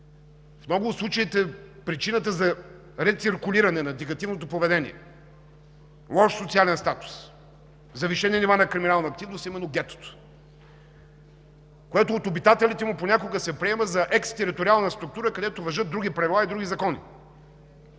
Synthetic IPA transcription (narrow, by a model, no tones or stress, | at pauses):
fnɔɡʊslˠut͡ʃəit̪ɛpɾit͡ʃinət̪əzɐ | ɾɛt̪siɾkʊliɾɐnɛnɐd̪iɡɐt̪ivnot̪opovɛd̪ɛnḭɛ̰ | lˠɔʃsot̪sialɛnst̪at̪ʊ̥s | zɐviʃɛniɛnivanɐkɾiminalˠnɐːk̚t̪ivnosimɛnːoɡʲɛt̪o̥t̪o̥ | kojɛt̪oːt̪obit̪at̪ɛlit̪ɛmuponʲakoɡəsɛpɾiɛməzɐʔɛkst̪ɛɾit̪oɾialˠnəst̪ɾuk̚t̪uɾəkɐd̪ɛt̪ovɐʒɤt̪̚d̪ɾuɡ̟ipɾɐvilˠaid̪ɾuɡʲizɐkɔnḭ